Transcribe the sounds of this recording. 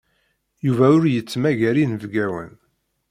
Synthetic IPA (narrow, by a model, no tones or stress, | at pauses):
juvæʊɾjət͡sːmæʝæɾinəvɡæwə̰n